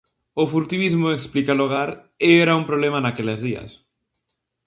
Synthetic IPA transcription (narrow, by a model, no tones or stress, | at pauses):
ofuɾt̪iβizmʊeksplikaloɣ̞aɾ | ɪeɾaumpɾoβlemanakelezðiɐ̰s